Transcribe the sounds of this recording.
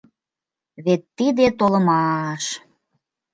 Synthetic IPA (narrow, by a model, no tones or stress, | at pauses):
βet̪ːid̪et̪olə̆mɑʃ